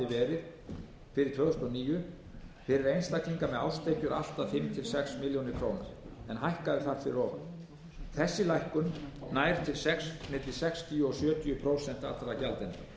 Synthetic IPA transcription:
ɪvɛːɾɪɾ̥ | fɪɾɪɾt̪vœːɣʏsk̪ɔniːjʏ | fɪɾɪɾejnst̪akliŋkamɛða̰wst̪ʰejcʏɾa̰l̥t̪afɪmt̪ʰɪlsɛksmɪljownɪɾkʰɾoːwna̰ɾ̥ɛnɦajhkaðɪθaɾ̥fɪɾɪɾɔːva̰n | θɛsːɪlajhkʏnnajɾ̥t̪ʰɪlsɛksmɪːt̪lɪsɛkst̪ʰiʏɔsjœːt̪ʰiʏpʰɾoːwsɛn̥t̪ḁt̪aɾacalt̪ɛna

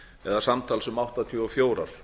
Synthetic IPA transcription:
ɛðasamt̪ʰaːlsʏmawht̪at̪ʰjʏːɔfjoːwɾaɾ̥

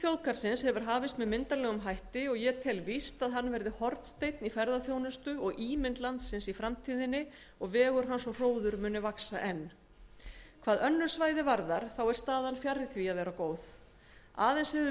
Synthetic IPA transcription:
θjowðkaɾ̥sɪnshɛvʏɾ̥ɦaːvɪst̪mɛðmɪnt̪alɛːɣʏmɦajht̪ɪɔɣjɛt̪ʰɛlvist̪aðɦanːvɛɾðɪhɔɾt̪n̥st̪eːjt̪nifɛɾðaθjoːwnʏst̪ʏɔɣʔiːmɪnt̪lant̪sɪnsifɾamt̪ʰiːðɪnːɪ | ɔɣvɛːɣʏɾ̥ɦansɔr̥oːwðʏɾmʏːnːɪvaksaʔɛnː | kʰvaːðœnːʏɾsvaːjðɪvaɾðaɾ̥θawɛɾ̥st̪aːðanfjarːɪθviaðvɛːɾakoːwθ | a̰ːðejnsɛðʏ

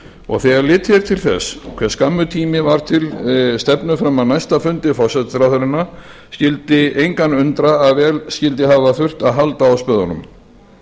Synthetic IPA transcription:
ɔ̰ɣθɛɣaɾlɪːt̪fjɛɾ̥t̪ʰɪlθɛ̰skʰv̥ɛskamːʏt̪ʰiːmɪvaɾ̥t̪ʰɪlst̪ɛpnʏfɾamawnajst̪afʏnt̪ɪfɔsɛt̪ɾaθœɾɪna | scɪlt̪ɪejŋkanʏnt̪ɾaːðvɛːlscɪlt̪ɪɦavaθʏr̥t̪aðɦalt̪aːwspœðanʏ̰m

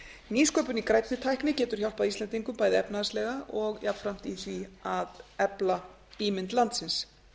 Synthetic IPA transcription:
niːskœːpʏnikɾaːjt̪nɪt̪ʰajhknɪcɛːt̪ʏɾ̥çawlpaðist̪ɛnt̪iŋkʏmpaːjðɪɛpnaðslɛɣaɔɣjapfɾam̥t̪iθviaðɛpla | iːmɪnt̪lant̪sɪns

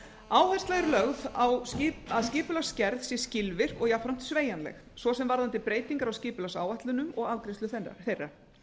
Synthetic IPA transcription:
aːwhɛ̥st̪laɣɪɾlœɣðawaðscɪːpʏlascɛɾðsjɛscɪlvɪr̥kɔɣjafɾam̥t̪sveːjanlɛ̰x | svɔsɛmvaɾðant̪ɪpɾeːjt̪iŋkaɾawscɪːpʏlasaːwaht̪lʏnʏmɔɣaðkɾest̪lʏθɛra̰θejrːḁ

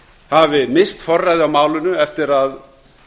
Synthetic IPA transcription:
havɪmɪst̪fɔrːajðɪawmaːwlʏnʏɛft̪ɪɾað

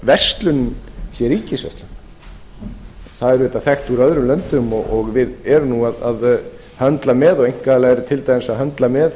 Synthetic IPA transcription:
vɛst̪lʏnsjɛɾiːcɪsvɛ̰st̪lʏn | θaðɛɾvɛːt̪aθɛxt̪uɾœðɾʏmlœnt̪ʏmɔɣɔɣvɪðɛɾʏnuaðað | hœnt̪lamɛðɔɣejŋ̥kalaɛɾt̪ʰɪlt̪ajansahœnt̪lamɛð

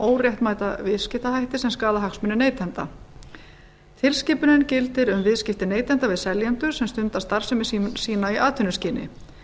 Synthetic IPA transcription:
oːwrjɛht̪maːjt̪avɪðscɪht̪aɦajht̪ɪsɛmskaːðaɦaksmʏnɪneːjt̪ʰɛnt̪a̰ | t̪ʰɪlscɪːpʏnɪncɪlt̪ɪɾʏmvɪðscɪft̪ɪneːjt̪ʰɛnt̪avɪðsɛljant̪ʏɾ̥sɛmst̪ʏnt̪ast̪aɾ̥sɛmɪssiːnaiʔaːt̪ʰʏnʏsciːnɪ̰

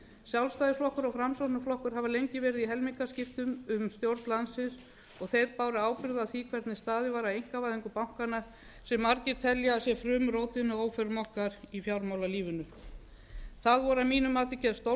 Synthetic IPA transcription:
sjawlst̪aːjðɪsflɔhkʏɾɔɣfɾamsɔnaflɔhkʏɾ̥ɦavalejɲcɪvɛːɾɪðiɦɛlmiŋkascɪft̪ʏmʏmst̪jowɾt̪nlansɪs | ɔɣθejɾpaːwɾɪaːwpɪɾðaθikʰvɛɾt̪nɪst̪aːðɪvaːɾaejŋ̥kavajðɪŋkʏpawŋ̥kana | sɛmːaɾcɪɾ̥t̪ʰɛljaːsjɛfɾʏːmʏɾoːwt̪ɪnːʏoːwfœɾmɔhkaɾifjawɾmawlaliːvʏnʏ | θaðvɔɾamiːnʏmaːt̪ɪcɛðst̪o

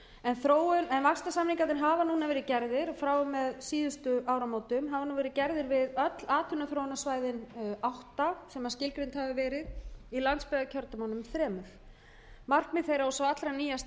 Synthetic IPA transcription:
ɛnθɾoːwʏnɛnvakst̪asaːmliŋkat̪ɪnɦaːvanuːnavɛːɾɪðcɛɾðɪɾɔfɾaːwʏmːɛðsiːðʏst̪ʏʔaːwɾamoːwt̪ʏmɦavanuːvɛɾɪcɛɾðɪɾvɪðœt̪laːt̪hʏnːaθɾowʏnasvaːjðɪnawht̪asɛmascɪlkɾent̪havʏvɛːɾɪðilant̪spɛɣacʰœɾt̪amawnʏmθɾɛːmʏθ | mar̥kmɪðθejɾaɔsawat̪lɾaniːjast̪

